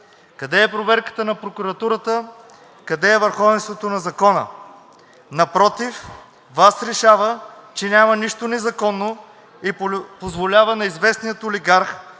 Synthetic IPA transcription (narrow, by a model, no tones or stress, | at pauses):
kɐd̪ɛːpɾovɛɾkə̥t̪ənɐpɾokuɾɐt̪uɾət̪ə | kɐd̪ɛːvəɾxɔvɛnst̪vot̪onɐzɐkɔnə̰ | nɐpɾɔt̪if | vasɾɛʃavət͡ʃɛnʲamɐniʃt̪onɛzɐkɔnːo | ipozvolʲavənɐizvɛsnijət̪oliɡaɾx